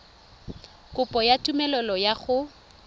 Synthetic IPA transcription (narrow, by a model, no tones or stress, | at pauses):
kʼʊpʼɔjatʼumɛlɔlɔjaχʊ